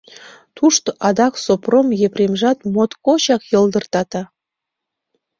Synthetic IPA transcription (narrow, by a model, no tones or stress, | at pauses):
t̪uʃt̪oʔɑd̪ɑksopromjeprʲemʒɑt̪mot̪kot͡ɕɑkjɤ̆ld̪ə̆rt̪ɑt̪ɑ